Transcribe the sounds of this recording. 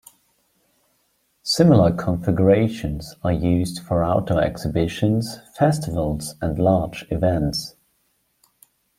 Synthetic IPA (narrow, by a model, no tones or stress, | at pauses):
sɪml̩ˠəkʰə̃ɱfɪɡəɹeɪʃə̃nz̥əjʉːzd̥fəɹaʊtʰəʊɛ̰ksɪbɪʃə̃nz̥fɛstɪvəlˠz̥ə̃nlɑːˑd͡ʒɪvɛ̃nts